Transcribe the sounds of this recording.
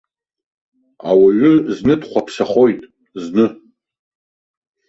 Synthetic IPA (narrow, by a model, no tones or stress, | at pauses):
a̰waɥʏznɨdχʷapʰsaχo̞jtʼ | znɨ